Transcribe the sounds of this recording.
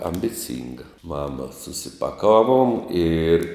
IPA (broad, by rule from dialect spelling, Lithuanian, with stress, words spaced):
ɐmʲbʲɪˈt͡sʲɪŋɡɐ ˈmɑːmɐ sʊsʲɪpɐˈkɑːʋuɔm ɪr